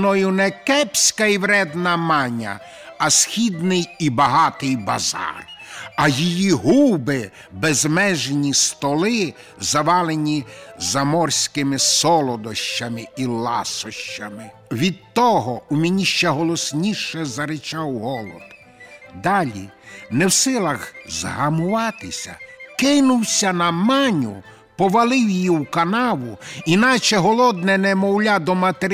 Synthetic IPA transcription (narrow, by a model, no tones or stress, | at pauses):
nɔjʊnɛkɛpʲsʲkɐiwɾɛd̪nɐmɑnʲɐ̰ | ɐsxʲid̪nɪjibɐɦɑt̪ɪjbɐzɑ̰rɐjijiɦubɪ | bezmɛʒenʲist̪ɔlˠɪ | zɐʋɑlˠenʲizɐmɔrsʲkɪmɪsɔlˠɔd̪ɔʃt͡ʃɐmɪilˠɑsɔʃt͡ʃɐmɪ | ʋʲid̪̚t̪ɔɦɔumʲenʲiʃt͡ʃɛɦɔlˠɔsʲnʲiʃɛzɐɾɪt͡ʃɑwɦɔlˠɔ̰d̪ | d̪ɑlʲinɛwsɪlˠɐɣzɦɐmʊʋɑt̪ɪsʲɐ̰kɪnʊwsʲɐnɐmɑnʲʊ̰ | pɔʋɐlˠɪwjjiwkɐnɑʋʊinɑt͡ʃɛɦɔlˠɔd̪nɛnɛmɔwlʲad̪ɔmɐt̪eɾ